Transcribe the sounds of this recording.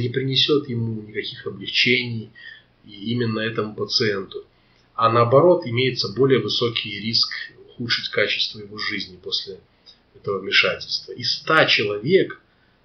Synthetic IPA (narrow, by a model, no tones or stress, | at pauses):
nʲɪpɾʲɪnʲɪsʲo̞t̪jɪmunʲɪkɐkʲixɐblʲɪft͡ɕenʲɪj | iimʲɪnːəɛt̪əmʊpət̪sɨent̪ʊ | anəɐbɐɾo̞t̪ɪmʲejɪt̪səbo̞lʲɪjəvɨso̞kʲɪjɾʲiskʊxut̪ʂɨtʲkat͡ɕɪ̥st̪vəjɪvo̞ʐɨzʲnʲɪpo̞sʲlʲɪ | ɛt̪əvəvmʲɪʂatʲɪlʲst̪vəʔist̪at͡ɕɪlˠɐvʲe̞k